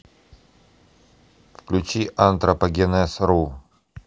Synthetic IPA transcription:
fklʲʉt͡ɕiʔant̪ɾɐpɐɡʲɛnɛsɾu

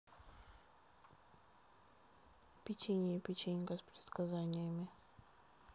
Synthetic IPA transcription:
pʲɪt͡ɕenʲɪjəpʲɪt͡ɕenʲkəspɾʲɪt̪skɐzanʲɪjəmʲɪ

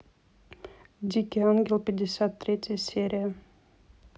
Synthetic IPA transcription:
d̪ʲikʲeaŋɡʲelpʲed̪ʲesʲat̪ːɾʲet͡sʲsʲeɾʲia

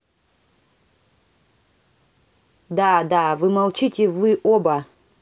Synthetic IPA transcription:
d̪ad̪avɨmɐlˠt͡ʃitʲɪvɨʔobɐ

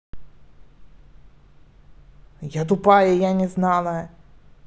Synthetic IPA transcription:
jat̪̬ʊpɑjɛjanʲɛznɑlˠɐ

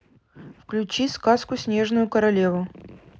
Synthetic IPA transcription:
fklʲʉt͡ɕiskaskʊsʲnʲe̞ʐnʊjʊkəɾɐlʲe̞vʊ

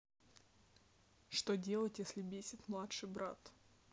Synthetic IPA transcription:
ʂt̪odʲe̞lˠətʲjesʲlʲɪbʲesʲɪt̪mlˠatʂɨjbɾʔa̰t̪

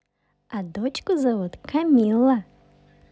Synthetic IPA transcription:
ad̪ot͡ɕkʊzɐvut̪kʰɐmʲilˠːɐ

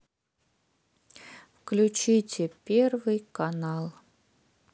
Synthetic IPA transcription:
fklʲʉt͡ɕitʲɪpʲervɨjkanalˠ

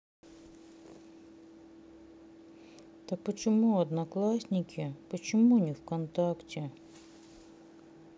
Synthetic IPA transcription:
t̪ɐk̚pət͡ɕɪmuɐd̪nɐklˠasʲnʲɪkʲʰɪpət͡ɕɪmunʲiwkɐnt̪aktʲɪ

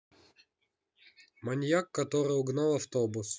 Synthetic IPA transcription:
mɐnʲjakːɐt̪ɔɾɨʊɡnɑlˠɐft̪ɔbʊs

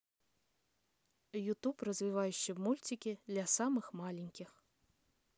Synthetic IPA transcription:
jut̪uprɐzʲvʲivajʊɕːɪmulʲt͡sʲikʲid̪lʲasamɨxmalʲinʲkʲix

